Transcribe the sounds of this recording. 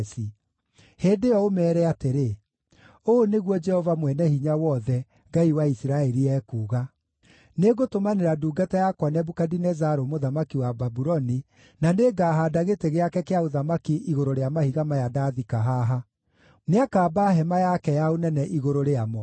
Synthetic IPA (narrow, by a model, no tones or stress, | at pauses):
si | heːndejɔomɛːɾɛateɾe | oːneɣwɔd͡ʒɛhɔvamwɛnɛhiɲawɔðɛ | ɡaiwaisɾaɛɾiɛːkuːɣa | neɡotomaneɾaduːɡatajakwanɛbukadinɛzaɾomoðamakiwababuɾɔni | naneɡaːɦadaɣeteɣeakɛkeaoðamakiʔiɣoɾoɾeamahiɣamajadaːðikaɦaɦa | neakaːbaɦɛmajakɛjaonɛnɛʔiɣoɾoɾeamɔ